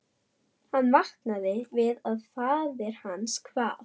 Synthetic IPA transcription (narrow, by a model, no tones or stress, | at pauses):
hanːvaht̪naðɪvɪðaðθaððɛɾ̥hanːskʰvaːð